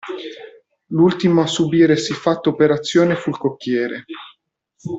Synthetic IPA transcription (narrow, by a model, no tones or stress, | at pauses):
lult̪imoasubiːɾesifːat̪ːoːpeɾat̪sːjoːnefuilkokːjɛːɾe